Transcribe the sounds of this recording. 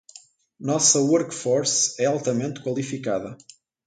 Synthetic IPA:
nɔsɐwɔɾkfɔɾsɛalˠt̪ɐmẽnt̪kwɐlˠifikaðɐ

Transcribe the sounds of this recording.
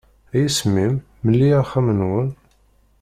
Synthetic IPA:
æjisəmːimː | əlːiæχæmənwən

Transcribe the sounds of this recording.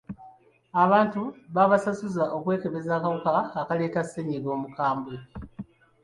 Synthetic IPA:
aβaːntuβaβasasuzaʔo̞kwe̞ːke̞βe̞zaːkaβukaːkale̞ːtaseɲiɡo̞ːmukaːmbwe

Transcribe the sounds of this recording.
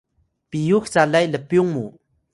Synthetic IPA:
pijok̚ht͡salajləpjoŋmo

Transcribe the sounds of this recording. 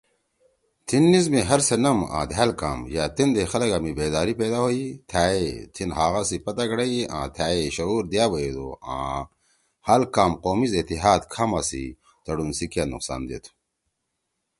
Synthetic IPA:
t̪ʰinːizmeɦɐɾsɐnɐmã̰ːd̪ʱaːlkaːmjaːt̪ind̪exɐlɐɡamibeːd̪aːɾipeːd̪aɦoːit̪ʰaːet̪ʰinɦaːɣasipɐt̪aɡɐɽɐiã̰ːt̪ʰaːeɕɐuːɾd̪ijaːbɐed̪oːã̰ː | haːlkaːmqoːmizet̪iɦaːd̪kʰaːmasḭ | t̪ɐɽunsikjanṵqsa̰ːnd̪ḛːt̪ʰu̥

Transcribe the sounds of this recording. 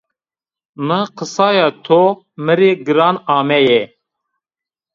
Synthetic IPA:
maqəsɑːjɑt̪ʰo | mɨɾeɡɨɾɑːnɑːmɛjɛ

